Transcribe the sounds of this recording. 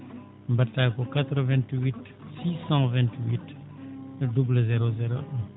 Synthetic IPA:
mbatːakokat̪ɾəvɛ̃nt̪wit̪ | sisɑ̃vɛ̃nt̪wit̪ | dubləzeɾozeɾo̰ʔɛ̃

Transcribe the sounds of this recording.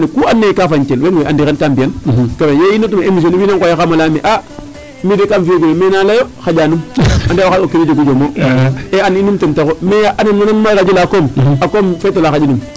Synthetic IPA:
nikuanːekafaɲt͡ʃelwenweʔandixenkambiankamejeinotmaemis̬onwinaŋkojaxamalaːmiʔa | midekamfijoɡunomenalajoxaɟanumandewaxaokinid͡ʒoɡud͡ʒomoeaninumtentakomejaʔananmananmakad͡ʒulakoːmakomfeːtolaxad͡ʒinum

